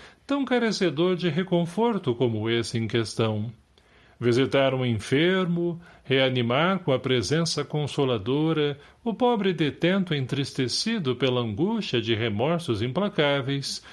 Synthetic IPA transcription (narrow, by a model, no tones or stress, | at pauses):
t̪ɐ̃w̃kaɾesed̪oɾd͡ʒɪɦekõfoɾt̪ʊkõmʊesɪẽkest̪ɐ̃w̃ | vizit̪aɾũĩfeɾmʊheanimaɾkõɐpɾezẽsɐkõsolad̪oɾɐʊpɔbɾɪd̪et̪ẽnt̪ʊẽnt̪ɾist̪esid̪ʊpelɐɐ̃ŋɡust͡ʃɐd͡ʒɪɦemɔɾsʊzĩplakavejs